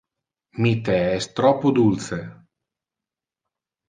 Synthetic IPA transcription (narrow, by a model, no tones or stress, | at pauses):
mit̪eɛst̪ɾɔpːud̪ulse